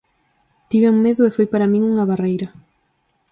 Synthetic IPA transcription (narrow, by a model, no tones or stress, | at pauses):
t̪iβɪuŋmeðʊefojpaɾamĩŋuŋɐβarejɾɐ